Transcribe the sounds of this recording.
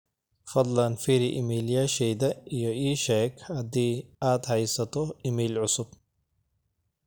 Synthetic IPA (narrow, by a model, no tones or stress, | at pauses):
fɐd̪ˤlɐnfiɾiʔɪmiːljaʃɛjd̪ɐijɔiːʃakʰɐd̪iːaːt̪hɐjsɐt̪ɔɪmiːlʕʊsʊb̥